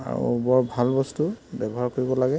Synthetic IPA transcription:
a̰ɹṵbɔɹbʱalbɔstubɛbɔɦaɹkoɹibɔlaɡɛ

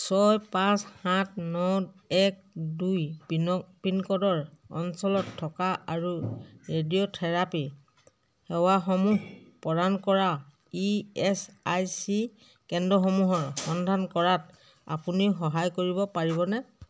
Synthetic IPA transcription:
sɔjpãshãt̚ʰnɔ | ɛk̚ | duj | pinkɔdɔɹɔ̰nsɔlɔtʰːɔkaaɹuɹediotʰɛɹapi | hɛwaxɔmuɦpɔdankɔɹa | iɛsajsi | kɛndɔxɔmuɦɔɹxɔndʱankɔɹat | a̰puniʊxɔɦajkoɹibɔpaɹiβɔnɛ

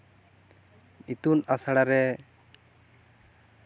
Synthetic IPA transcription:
it̪unasaɽaɾɛ

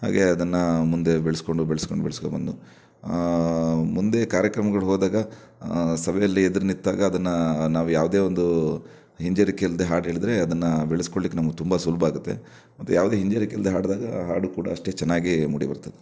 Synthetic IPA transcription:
ha̰ːɡe̞ɐd̪ɐnːɐmund̪e̞beɭesko̞ɳɖubeɭsko̞̰ɳɖubeɭsko̰bɐ̰nd̪u | mund̪e̞kaːɾjɐkɾɐmɐɡɐɭuɦoːd̪aːɡɐ | sɐbʱɛjɐlːied̪ɐɾnit̪ːaːɡɐːd̪ɐnːɐnaːʋujaːʋud̪e̞ːond̪u | ɦiɲd͡ʒɐɾikejɐld̪eɦaːɽɦeːɭid̪ɾe̞ɐd̪ɐnːɐbeɭesko̞ɭlikːenɐmɐɡt̪umbɐsulbʱɐaːɡut̪ːe̞̰ | mɐt̪ːujaːʋd̪eːɦiɲd͡ʒeɾikejɐld̪eɦaːɖd̪aːɡɐ̰ɦaːɽukuːɽɐ̰ːʂʈe̞ːt͡ʃɛnːaːɡimṵːɽḭbɐ̰ɾt̪ɐd̪e

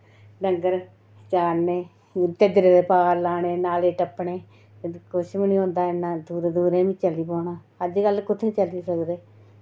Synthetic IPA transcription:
ɖəŋɡəɾ | t͡ʃaːɾneː | t̪əd͡ʒɾeːd̪eːpaːɾlaːneːnaːleʈəpːɳeː | kʊʃmənĩːõːnd̪aːɪnːãːd̪uːɾed̪uːɾẽːʋĩːt͡ʃəliːpoːnaː | əd͡ʒɡəlkʊt̪ʰːeːt͡ʃəliːsəkd̪eː

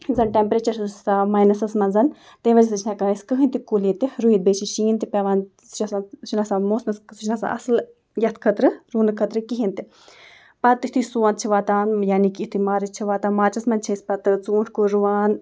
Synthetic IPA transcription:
zɐnʈempɾeːt͡ʃɐɾsamaːjnɐsɐsmɐnzɐn | t̪ẽːʋɐd͡ʒisɨt͡ʃʰnakaskɨɦɨnt̪ikulit̪iɾuid̪̚beːt͡ʃʰiʃiːnt̪ipʲɐʋaːn | t͡ʃɐsat͡ʃʰinasaːmoːsmɐssut͡ʃʰʲnasa̰ʔɐ̰sl | jɐt̪ʰkʰət̪ɾɨɾuːnɨkʰɐt̪ɾɨkiɦint̪i | pɐt̪iht̪ʰusuːaːn̚t͡ʃʰiʋaːt̪aːnjaːnikiiht̪ʰimaːɾɨt͡ʃt͡ʃʰiʋaːt̪aːmaːt͡ʃɐsmɐnt͡ʃʰispɐt̪ɨt͡suːʈʰkuɾuʋaːn

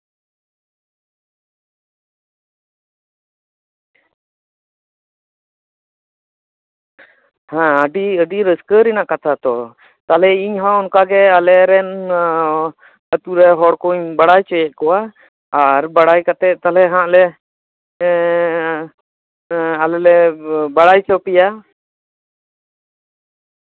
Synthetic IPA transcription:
hãəɖiəɖiɾəskəɾinakat̪ʰat̪ɔ | t̪alɛiɲɦãɔnkaɡɛəlɛɾɛn | ət̪uɾɛɦɔɽkɔɲbaɽajt͡ʃɔjɛʔ̚kɔwa | aɾbaɽajkat̪ɛt̪alɛɦãʔlɛ | alɛlɛbaɽajt͡ʃɔpija

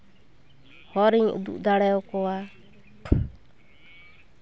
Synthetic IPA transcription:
hɔɾiɲʔṵd̪ṵʔd̪aɽɛjɔkɔwa

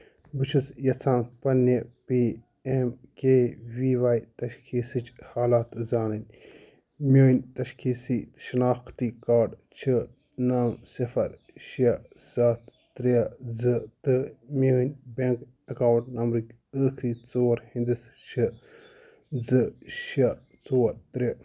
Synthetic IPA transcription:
bɨt͡ʃʰɨsjɐt͡sʰaːnpɐnɐpiː | emkeːʋiːʋaːit̪ɐʃkʰiːsɨt͡ʃhaːlaːt̪zaːnɨnʲ | mʲoːnʲt̪ɐʃkʰiːsiːʃɐnaːxt̪ikaːɾɖt͡ʃʰɨ | naːmsɐfɐɾ | ʃɐz̥aːt̪ːɾɐzɨt̪ɨmʲoːnʲbeŋk | ɐkaːwɳʈnɐmɾɨkʲ | əːkʰɾiːt͡soːɾhĩnd̪ɨs | t͡ʃʰɨ | d͡zɨʃɐ | t͡soːɾt̪ɾɐ

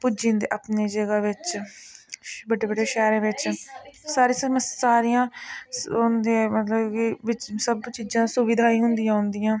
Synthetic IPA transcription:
pʊd͡ʒĩːnd̪ḛːʔaːpneːd͡ʒəɡaːʋɪt͡ʃ | bəɖeːbəɖeːʃɛːɾẽːʋɪt͡ʃsaːɾiːsəməssaːɾijãːɦnd̪emət̪ləbkiʋɪt͡ʃsəbt͡ʃiːd͡ʒãːsʊʋɪd̪ʱaːĩːɦʊnd̪ijãːɦʊnd̪ijãː

